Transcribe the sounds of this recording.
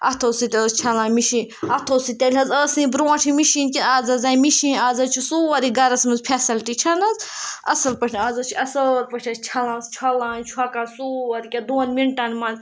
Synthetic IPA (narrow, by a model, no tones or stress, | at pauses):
ɐ̰t̪ʰoːsit̪elst͡ʃʰɐlãːmiʃĩːnɐt̪ʰoːsit̪ʲelʲɐzəːsĩbɾoːãʈʰimiʃiːnkiaːzɐzaːjmiʃĩːaːzɐt͡ʃʰusuːɐɾiɡɐɾɐsmɐzpʰʲɛsilʈit͡ʃʰɐnɐzɐsɐlpɐʈʰʲaːzɐt͡ʃʰuʔɐsəːɾpɐʃʰɐst͡ʃʰɐlãːnst͡ʃʰɐlãːnt͡ʃʰuɐkansuɐɾikʲɐd̪uːnmiɳʈɐnmanz